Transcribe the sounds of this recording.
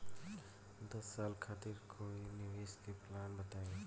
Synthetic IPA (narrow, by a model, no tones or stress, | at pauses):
d̪ɐsːaːlkʰaːt̪ɪɾkʰoinɪʋeːskeplaːnbət̪aːe